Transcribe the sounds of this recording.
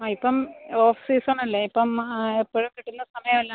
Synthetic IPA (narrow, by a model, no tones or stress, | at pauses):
aipːɐmoːfi̥siːsonːɐlːeipːɐmepːoɻukiʈːunːɐsɐmɐjɐmelːaː